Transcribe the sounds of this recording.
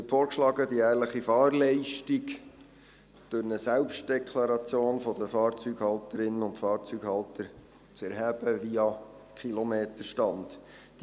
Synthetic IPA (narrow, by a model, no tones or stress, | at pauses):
ɛpfoːɾkʃlɑːɡədiæːɾləχifɑːɾlɛɪʃtik | d̥ɵɾnəsælpʃt̚d̥ɛkʰlɑɾɑt͡sjoːnfɔdəfɑːɾt͡syɡhɑltəɾɪnːənʊntfɑːɾt͡syɡhɑltəɾ | t͡sɛɾɦæb̥əʋiɑkχilomeːtəʃtɑnd | d̥